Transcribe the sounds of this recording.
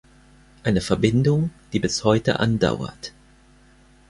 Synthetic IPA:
ʔaɪnəfɛɐbɪndʊŋd̥iːbɪshɔʏtə̰ʔa̰nda̰ʊɐ̰t

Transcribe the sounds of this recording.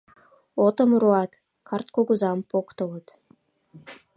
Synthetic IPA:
ot̪ə̆mɾuɑt̪ | kʰɑrt̪̚koɡuzɑmpokt̪ɤ̆lˠət̪

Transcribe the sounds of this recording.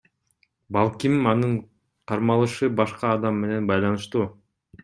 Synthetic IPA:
bɑlˠkʲimɑnɯɴ | qʰɑɾmɑlˠɯʃɯbɑʃqɑːd̪ɑmːe̞ne̞nbɑjlˠɑnɯʃt̪uː

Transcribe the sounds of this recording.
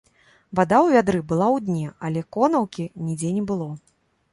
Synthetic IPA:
vad̪awvʲad̪ɾɨbɨlˠawd̪ʲnʲɛalʲɛkɔnɐwkʲinʲid͡zʲɛnʲɛbɨlˠɔ

